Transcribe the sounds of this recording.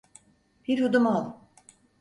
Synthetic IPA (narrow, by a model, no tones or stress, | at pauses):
b̥iɾhud̪umalˠ